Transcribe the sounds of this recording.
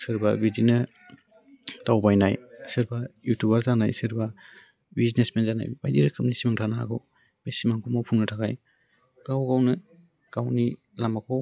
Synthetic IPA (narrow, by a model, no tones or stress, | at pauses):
sɯɾbabizinɯ | tawbajnajsɯɾbajutʰubaɾzanajsɯɾba | biznesmenzana̰jbajdiɾɯkʰɯp̚nisimaŋtʰana̰ɡɯw | mesimaŋkʰɔmawpʰuŋnɯtʰakaj | ɡawɡawnɯ | kawni | lamakʰɔw